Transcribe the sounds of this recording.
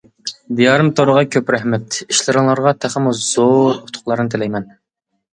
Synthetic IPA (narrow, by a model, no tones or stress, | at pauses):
d̪ijɑɾɨmt̪ʰoɾəʁɑkʲʰøpɾɛhmɛt̪iʃlɨɾɨŋlˠɑɾʁɑt̪ʰæχəmuz̥oɾʊ̥t̪ʰʊ̥qlˠɑɾɨnɨt̪ʰelɛjmɛn